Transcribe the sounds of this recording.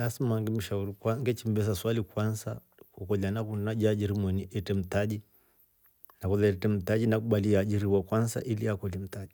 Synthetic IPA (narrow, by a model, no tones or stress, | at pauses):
asmaŋɡɛm̩ʃauɾikwaŋɡɛt͡ʃim̩bɛs̬aswalikwansa̰ | kukɔlanakunaʄad͡ʒiɾimwɛniʔɛtɛm̩taʄi | nakuðɛɛtɛm̩taʄinakuɓaliaʄiɾiwakwansa̰ʔiliakɔlim̩taʄi